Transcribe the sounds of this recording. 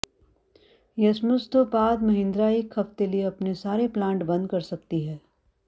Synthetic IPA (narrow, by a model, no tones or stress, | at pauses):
jɐsmʊst̪obaːd̪mɐɦɪ̃nd̪ɾaeːkʰːɐft̪elieɐpnesaːɾeplãːɳʈbɐ̃nd̪̚kɐɾsɐkt̪iɦɛː